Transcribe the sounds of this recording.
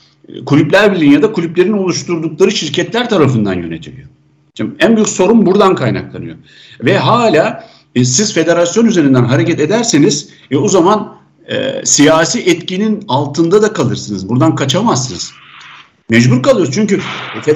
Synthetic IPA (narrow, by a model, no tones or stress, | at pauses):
kʰulʲyplʲæɾbilʲinjad̪akʰulʲyplʲe̞ɾino̞lˠuʃt̪ʰuɾd̪uklˠaɾɯʃiɾcʰɛt̪lʲæɾt̪ʰaɾafɯnd̪a̰njø̞̰ne̞̰t̪ʰilʲḭjo̞̰ | ænbyjycʲso̞ɾumbuɾd̪ankʰajna̰klˠa̰nɯ̰jo̞̰ | vɛɦaːlʲaː | siz̥fe̞d̪e̞ɾasjo̞nyze̞ɾind̪ænɦaɾe̞cɛt̪e̞d̪æɾseniz̥ | vɛozaman | ɛ̰sijaːsiːʔɛt̪cininalˠt̪ʰɯnd̪ad̪akʰalˠɯɾsɯnɯzbuɾd̪ankʰat͡ʃʰamassɯnɯz̥ | mɛd͡ʒbuɾkalˠɯjoɾst͡ʃʰyɲcyfe